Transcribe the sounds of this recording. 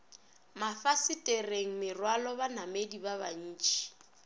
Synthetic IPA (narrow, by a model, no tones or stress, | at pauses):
mafasɪtʼereŋ̩mɪrwalɔbanamedibaβan̩ːt͡ʃʼi̥